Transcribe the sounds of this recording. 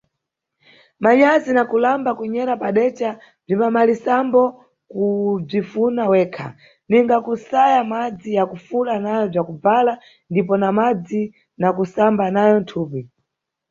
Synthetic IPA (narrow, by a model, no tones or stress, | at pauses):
maɲazinakulambakuɲɛɾapaɗɛt͡ʃa | b͡ʐimamalisambɔ | kub͡ʐifunawɛːkʰa̰ | niŋɡakusajamad͡zijakufulanajɔb͡ʐakuvala | ndipɔnamad͡zi | nakusambanajɔn̩tʰuːpi